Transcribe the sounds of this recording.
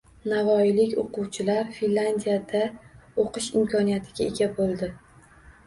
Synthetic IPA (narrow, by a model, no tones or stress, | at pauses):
navɒɪlɪkʲoqʊwt͡ʃʰɪlaɾfinland̪ijad̪aoqʰɨʃɪmkʲʰɒnijat̪ʰɪɡʲae̞ɡʲabolˠd̪ɪ